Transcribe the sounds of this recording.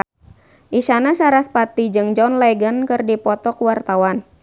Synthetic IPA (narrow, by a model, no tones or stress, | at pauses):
ʔiʃanasaɾaspat̪id͡ʒɨŋd͡ʒɔnlɛɡənkɨrdipɔt̪ɔkəwart̪awan